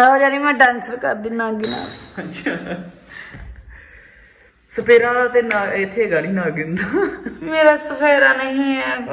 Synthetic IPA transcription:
aːd͡ʒaːniːmɛ̃ːɖɛ̃ːnsəɾkəɾd̪inãːɡɪnã̰ːhãt͡ʃaː | səpeːɾaːt̪enãɪt̪ʰːeːɡəliːnaːɡɪnd̪aːmeːɾaːsəpʰeːɾaːnəɦĩːɛː

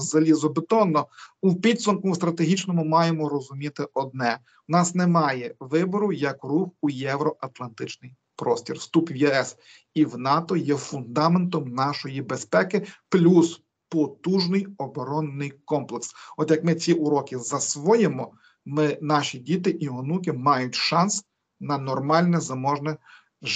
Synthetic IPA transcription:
zɐlʲizɔbet̪ɔnːɔupʲid̪ʲsʊmkʊst̪ɾɐt̪eɦʲit͡ʃnɔmʊmɑjemɔɾɔzʊmʲit̪ɪɔd̪̚nɛ | wnɑsnemɑjɛʋɪbɔɾʊjɐkruxujɛʋɾɔʔɐt̪lˠɐnt̪ɪt͡ʃnɪj | pɾɔsʲtʲirst̪upʋjɛɛs | iwnɑt̪ɔjɛfʊnd̪ɑment̪ɔmnɑʃɔjibespɛkɪplʲus | pɔt̪uʒnɪjɔbɔɾɔnːɪjkɔmplˠeksɔt̪jɐkmɪt͡sʲiʔʊɾɔkʲɪzɐsʋɔjemɔ | mɪnɑʃʲidʲit̪ɪʔiɦɔnukɪmɑjʊtʲʃɑns | nɐnɔrmɑlʲnɛzɐmɔʒnɛ

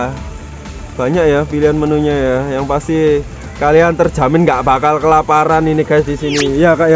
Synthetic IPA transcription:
b̥a̤ɲakjapiliɦanmənuɲajajaŋpast̪i | kaliant̪ərd̥ʒ̥a̤mɪnŋɡaʔb̥akalkəlapaɾaninikasdisinijakaʔja

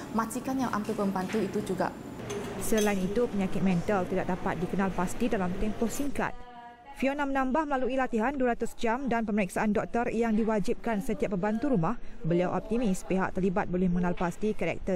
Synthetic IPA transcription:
masikanjaŋʔa̰mpipəmbant̪uit̪ud͡ʒuɡa̰ʔsəlainit̪upəɲakɪt̪̚mɛ̃nt̪əlt̪idaʔ̚dapa̰t̪̚dikənãlpast̪idalamt̪ɛmpɔhsiŋka̰t̪̚ | fionãmənãmbahməlaluilat̪iɦanduəɾat̪usd͡ʒamdanpəməɾiksaʔandɔk̚t̪ərjaŋdiwad͡ʒip̚kansət̪iapːəbant̪uɾumahbəliawʔɔ̰p̚t̪imispiɦa̰ʔt̪ərlibat̪̚bolɛhmə̃ŋənalpast̪ikəɾɛ̰k̚t̪ər

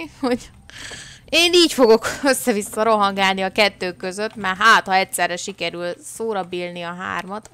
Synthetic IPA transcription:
ho̞ɟ | eːniːcfo̞ɡo̞kø̞sːɛvisːɒɾo̞ɦɒŋɡaːlniɒkɛt̪ːøːkːø̞zø̞t̪ːmɛrɦaːt̪hɒɛcsɛrːɛʃikɛɾylsoːɾɒbilniɒɦa̰ːrmɒt̪

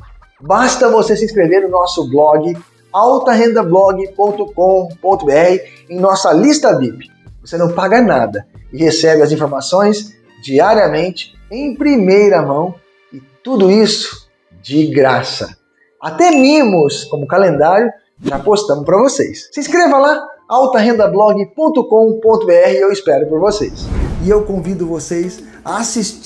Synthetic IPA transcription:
bast̪ɐvosesɪĩskɾeveɾnʊnɔsʊblɔɡɪ | awt̪ɐɦẽnd̪ɐblɔɡɪpõnt̪ʊkõpõnt̪ʊbeɛhɪ | ẽj̃nɔsɐlist̪ɐbipɪ̥ | vosenɐ̃w̃paɡɐnad̪ɐɪhesɛbɪɐzĩfoɾmasõj̃s | d͡ʒiaɾiɐmẽnt͡ʃɪ̥ | ẽj̃pɾimejɾɐmɐ̃w̃ | ɪt̪ud̪ʊisʊ̥ | d͡ʒɪɡɾasɐ̰ | at̪ɛlimʊskõmʊkalẽnd̪aɾjʊ | ʒapost̪ɐ̃mʊspɾɐvosejssɪ̃skɾevɐlaawt̪ɐɦẽnd̪ɐblɔɡɪpõnt̪ʊkõpõnt̪ʊbeɛhɪewispɛɾʊpoɾvosejsɪewkõvid̪ʊvosejs | aasis

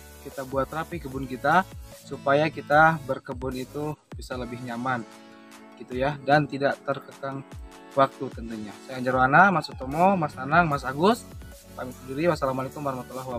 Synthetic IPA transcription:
kit̪abuat̪̚ːəɾapikəbʊnkit̪asupajakit̪abərkəbʊnit̪ubisaləbɪhɲaman | ɡ̥it̪ujadant̪idaʔt̪ərkəkaŋ | wak̚t̪ut̪ənt̪uɲasajaaɲd͡ʒaɾmanamasut̪omomasnanaŋmas̬aɡʊs | pamisədiɾiwasalamalekʊmaɾahmat̪laɦwa

